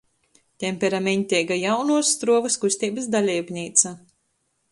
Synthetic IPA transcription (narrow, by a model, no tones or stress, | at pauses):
t̪ʲɛmʲpʲɛɾamʲeɲʲt̪ʲɛɡajawnuɔsːt̪ɾuɔvɐskusʲt̪ʲiːbɨsd̪alʲiːbnʲiːt̪sa